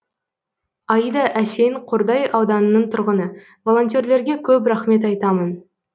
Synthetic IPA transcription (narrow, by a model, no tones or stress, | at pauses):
ɑid̪ɑʔæsejɴqʰoɾd̪ɑjɑwd̪ɑnənːəɴt̪ʰʊɾʁənə | vo̞lˠo̞nt̪ʲje̞ɾle̞ɾɡʲekʲʰɵp̬ɾæχme̞t̪ɑjt̪ɑmən